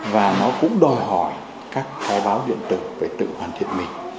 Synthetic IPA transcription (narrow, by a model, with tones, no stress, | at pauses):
vaː˨˩nɔ˨˦kʊ̰˧˥ŋ͡mɗɔ˨˧˩jɦɔ˧˩j | kaː˦˥k̚xʰaː˨˦jɓaː˨˦wzḭ˧˨ənt̪ɨ˨˩k̚veː˧˩jt̪ɨ̰˧˨hwaː˨˩nt̪ʰi˧˩ət̚mï˨˩ŋ̟